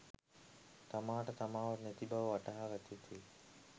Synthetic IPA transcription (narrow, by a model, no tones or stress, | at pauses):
t̪amaːʈət̪amaːʋɐɾnet̪ibaʋəʋɐʈaɦaʋat̪it̪ʰi